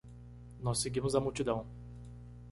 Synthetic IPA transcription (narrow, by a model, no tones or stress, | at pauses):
nɔsːeɡĩmʊzɐmuwt͡ʃid̪ɐ̃w̃